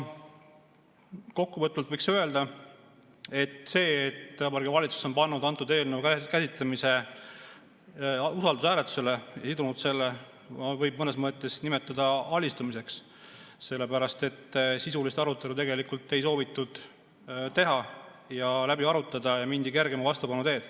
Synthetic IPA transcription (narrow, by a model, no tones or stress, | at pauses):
ko̞kːuvɤt̪ːˑult̪vɤjksøe̞ld̪ɑ | e̞t̪se̞ːt̪ːɑbɑɾrɡevɑlʲit̪su̥so̞npɑnːud̪̥ɑnt̪ud̪e̞ːlnevukkæsit̪lemise̞ | usɑld̪usæːlet̪ːˑu̥sele̞jɑ̰sid̪unud̪se̞lːe | vɤjb̚mɤnesmɤt̪ːˑe̞snime̞t̪ːˑɑd̪̥ɑɑlʲist̪umise̞ks | se̞lːe̞pæɾɑst̪e̞t̪ːsisulist̪ɑɾut̪ːˑe̞lut̪̬e̞ɡe̞likult̪ːe̞jso̞ːvit̪ːˑud̪̥ | t̪e̞ɦɑ | jɑlæbiɑɾut̪ːˑɑd̪̥ɑjɑmind̪̥ike̞rɡe̞mɑvɑst̪upɑnːut̪e̞ːd̪̥